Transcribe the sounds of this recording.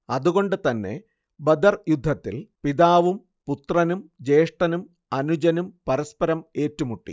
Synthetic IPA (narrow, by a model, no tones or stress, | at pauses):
ɐðuɣo̞ɳɖɨt̪ɐnːe̞̰ | bɐd̪ɐrjud̪ʱːɐt̪ːilpiðaːʋum | put̪rɐnumd͡ʑe̞ːʂʈɐnum | ɐnud͡ʑɐnumpɐɾɐspɐɾɐme̞ːtːumuʈːḭ